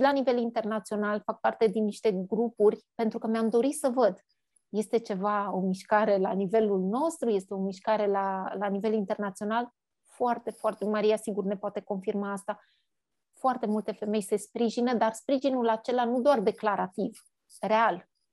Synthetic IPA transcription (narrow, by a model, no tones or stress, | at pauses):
lanive̞lint̪e̞rnat̪sio̞nalfak̚part̪e̞d̪inːiʃt̪e̞ɡɾupurʲpe̞nt̪ɾukəmeamd̪o̞ɾisəvəd̪ | je̞st̪e̞t͡ʃe̞vao̞miʃkaɾe̞lanive̞lulno̞st̪ɾuje̞st̪e̞o̞miʃkaɾe̞lalanive̞lint̪e̞rnat̪sio̞nal | foart̪e̞foart̪emaɾijasiɡurne̞poat̪e̞ko̞nfirmaːst̪a | foart̪e̞mult̪e̞fe̞me̞jse̞spɾiʒinəd̪arspɾiʒinulat͡ʃe̞lanud̪oard̪e̞klaɾat̪iv | re̞al